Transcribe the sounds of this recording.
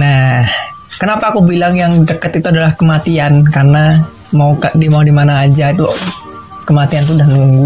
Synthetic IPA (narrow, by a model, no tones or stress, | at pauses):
nah | kənapaːkubilaŋjaŋdəkət̪it̪uadalahkəmat̪iankarəna | maukadiamaudimanaːd͡ʒait̪u | kəmat̪iant̪̬uːdahnuŋɡu